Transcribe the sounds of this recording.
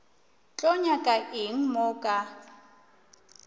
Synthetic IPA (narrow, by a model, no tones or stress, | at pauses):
t͡ɬʼɔɲakʼaʔɪŋ̩mʊkʼa